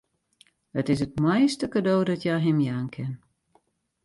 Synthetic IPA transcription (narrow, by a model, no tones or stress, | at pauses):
ətɪs̬ət̚mɛjstəkadoːdɔtʰjɛjɦɪmjaːnkʰɪn